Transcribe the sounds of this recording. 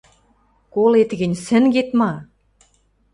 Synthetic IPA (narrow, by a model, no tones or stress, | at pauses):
kolet̪ɣɘ̆nʲsɘ̆nɡet̪mɑ